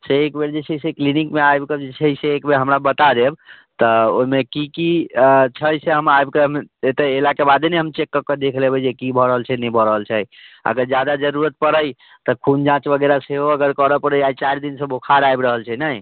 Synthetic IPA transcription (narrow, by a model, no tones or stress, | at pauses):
seːkbeɾd͡ʒet͡ʃʰeiseklinikmeajbked͡ʒet͡ʃʰeseːkbeɦəmɾabət̪ad̪eb | t̪ɔo̰imekikit͡ʃʰəjseɦəmajbkeɦəmet̪eelakebad̪eneɦəmt͡ʃekːəked̪ekʰlebɛd͡ʒekibʱɔɾəɦəlt͡ʃʰɛnɛbʱɔɾəɦəlt͡ʃʰɛə̰ɡəɾd͡ʒjad̪ad͡ʒəɾuɾət̪̚pəɾəj | t̪ɔkʰund͡ʒãt͡ʃbəɡɛɾaseɦoəɡəɾkəɾəpəɾəjait͡ʃaɾd̪insə̃bʱokʰaɾajbɾəɦəlt͡ʃʰɛnəi